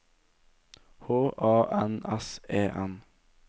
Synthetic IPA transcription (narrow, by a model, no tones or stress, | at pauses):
hoːʔɑːʔɛnɛseːʔɛn